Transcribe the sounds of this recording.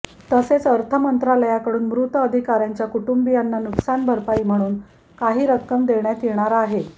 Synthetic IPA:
t̪əset͡səɾt̪ʰəmənt̪ɾaləjakəɽuːnmɾut̪əəd̪ʱikaɾjaɲt͡ɕjakuʈumbijanːanuksanbʱəɾpaiːm̤əɽ̃uːn | kaɦiːɾəkːəmd̪eɳjat̪ieɳ̃aɾaːɦe

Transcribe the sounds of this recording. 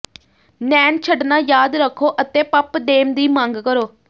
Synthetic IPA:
nɛːnt͡ʃʰəɖnaːjaːd̪ɾəkʰːoːʔət̪eːpəpd̪eːmd̪iːmãːŋɡkəɾoː

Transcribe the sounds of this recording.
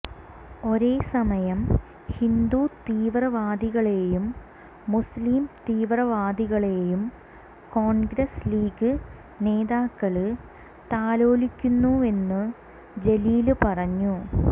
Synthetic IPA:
o̞ɾe̞ːsɐmɐjɐm | hind̪ut̪iːʋrɐʋaːd̪iɣɐɭe̞jumː | usliːmt̪iːʋrɐʋaːd̪iɣɐɭe̞jum | ko̞ːnɡɾɐsliːɡɨ | ne̞ːd̪aːkːɐɭɨ | t̪aːlo̞ːlikʲːunːue̞nːɨ | d͡ʑe̞liːlɨpɐrɐɲːu

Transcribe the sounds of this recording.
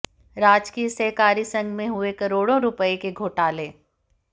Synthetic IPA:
ɾaːd͡ʒkiːsɛɦkaːɾisɐ̃ŋɡmẽɦʊekɐɾoːɽõɾʊpəekeɡʱoːʈaːleː

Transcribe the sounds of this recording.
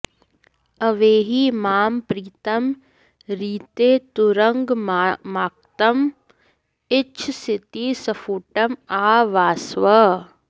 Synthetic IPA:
ɐʋeːɦimaːmpɾiːt̪ɐm | ɾiːt̪eːt̪uɾɐŋɡmaːk̚t̪ɐm | ɪt͡ʃʰsit̪isɐfuːʈɐmaːʋaːsʋɐ

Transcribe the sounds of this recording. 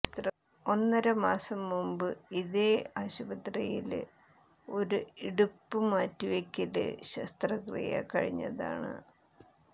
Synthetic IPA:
ɐst̪rɐ | o̞nːɐɾɐmaːsɐmːumbɨiðeːaːɕubɐt̪rɐjil | o̞ɾuiɽupːɨmaːtːiʋekʲːilɨ̰ɕɐst̪rɐkrḭjɐ̰kɐɻiɲːɐ̰ða̰ːɳɨ̰

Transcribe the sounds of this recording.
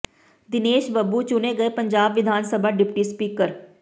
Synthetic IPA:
d̪ɪneːʃbəbːut͡ʃʊneɡɐepɐ̃ɲd͡ʒaːbʋɪd̪ʱaːnsəbʱaɖɪpʈispiːkəɾ

